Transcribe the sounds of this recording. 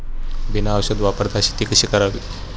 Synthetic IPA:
binaːʋɕəd̪ʋapəɾd̪ʰʱaɕi̥t̪ikəɕiːkəɾaʋi

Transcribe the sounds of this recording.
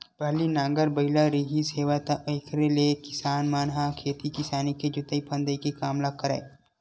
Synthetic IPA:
bɐɦlinãːŋɡəɾbɐɪlaɾiːɦiseːʋat̪aʔeːkʰɾelekɪsaːnmaːnɦãkʰeːt̪ikɪsaːniked͡ʒʊt̪əipʰə̃nd̪əikekaːmlakːəɾḛː

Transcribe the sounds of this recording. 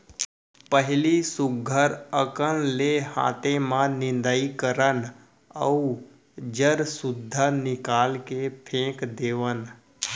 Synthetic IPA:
pəɦɪlisʊɡʱəɾəkənlehã̰ːt̪emãnɪ̃nd̪aikəɾən | əu | d͡ʒəɾsʊd̪ʱːanɪkaːlkepʰẽːkd̪eːʋən

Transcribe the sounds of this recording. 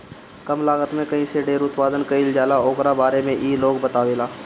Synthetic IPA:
kəmlaːɡət̪mẽkɐɦĩseɖeːɾʊt̪paːd̪ənkɐild͡ʒaːlaoːkɾabaːɾemẽʔiːloːɡbət̪aːʋeːlaː

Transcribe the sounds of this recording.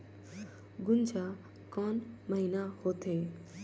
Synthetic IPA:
ɡʊnd͡ʒʱa | kɔːnməɦiːnahoːt̪ʰeː

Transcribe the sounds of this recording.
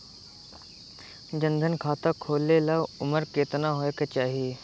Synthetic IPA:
d͡ʒə̃nd̪ʱənkʰaːt̪akʰoːlːelaʊməɾkeːt̪naɦoːeket͡ʃaːɦijeː

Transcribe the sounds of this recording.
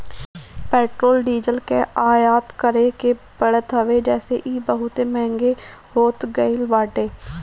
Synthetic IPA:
pɛːʈɾoːlɖiːd͡ʒəlkeːaːjaːt̪kəɾeːkebəɽət̪ʰəʋeːd͡ʒɛːseʔiːbəɦʊt̪eːmɛ̃ːŋɡeː | hoːt̪ɡəilʋaːɖeː

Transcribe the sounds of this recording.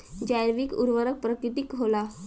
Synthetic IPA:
d͡ʑajɾʋikṵɾʋəɾək̚pɾəkɾit̪ikɦola

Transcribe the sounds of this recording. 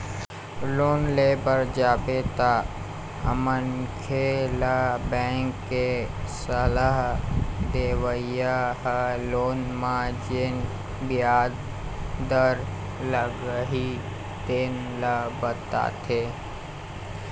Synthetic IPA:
loːnleːbəɾd͡ʒaːbet̪a | ə̰mənkʰeːlabɛ̃ŋkːesələɦd̪eːwəjaɦloːnmãd͡ʒen | bijaːd̪ | d̪əɾ | ləɡəɦi | t̪eːn | ləbət̪a̰ːt̪ʰe

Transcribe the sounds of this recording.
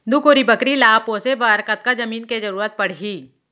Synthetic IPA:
d̪ukoːɾibəkɾilaːposebaːɾkət̪̚kad͡ʒɐmiːnkezɐɾuːɾət̪̚pɐɽ̤iː

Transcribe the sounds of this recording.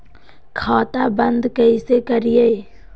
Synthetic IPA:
kʰaːt̪abə̃nd̪kəisekəɾijeː

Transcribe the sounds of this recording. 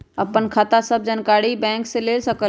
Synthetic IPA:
əpːənkʰat̪asəb̚d͡ʒənkaɽibɛ̃ŋksẽlelsəkə

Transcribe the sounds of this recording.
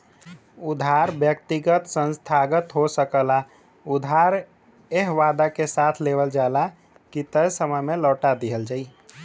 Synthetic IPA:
ʊd̪ʱaːɾbjək̚t̪ɪɡət̪sə̃nst̪ʰaːɡət̪ɦosəkəla | ʊd̪ʱaːɾ | eɦʋaːd̪akesaːt̪ʰleːʋəld͡ʒaːla | kit̪əjsəməjmẽlɔːʈad̪iɦəld͡ʒaːiː

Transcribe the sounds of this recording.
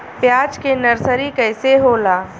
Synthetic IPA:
pjaːd͡ʒkenɐɾsəɾikɛːseɦoːlaː

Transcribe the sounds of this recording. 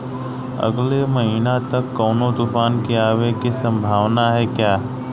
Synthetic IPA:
ɐ̰ɡlemɐɦiːnat̪ɐkːɔːnõt̪ufaːnkiaːʋekisɐ̃mbʱaːʋnaɦɛkjaː

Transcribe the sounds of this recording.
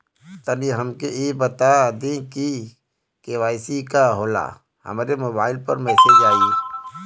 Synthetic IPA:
t̪aːniɦəmkeebət̪ad̪ẽki | keːʋaːɪsikaɦoːla̰ | hə̰maːɾemoːbaːɪlpə̰ɾmɛːsed͡ʒaːi

